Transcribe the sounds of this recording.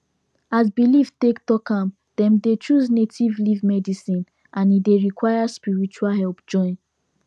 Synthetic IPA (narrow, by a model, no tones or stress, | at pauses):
azbiliftektɔkãm | dɛ̃mdet͡ʃuznetʰivlivmɛdisĩn | ʔãnideɹikwaɪjaspiɹit͡ʃualɦɛlpd͡ʒɔ̃ɪ̃n